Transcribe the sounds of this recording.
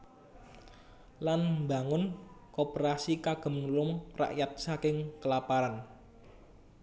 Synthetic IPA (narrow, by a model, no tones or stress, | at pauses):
lanmba̤ŋʊnkopəɾasikaɡ̥ə̤mnulʊmra̰ʔjat̪̚sakɪŋkəlapaɾan